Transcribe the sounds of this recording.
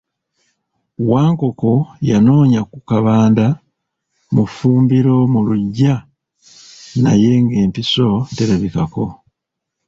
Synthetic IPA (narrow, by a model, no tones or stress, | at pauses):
waːŋko̞ko̞jano̞ːɲakukaβaːnda | mufuːmbiɾo̞muluɟːa | naje̞ŋɡe̞ːmpiso̞teɾeβikako̞̰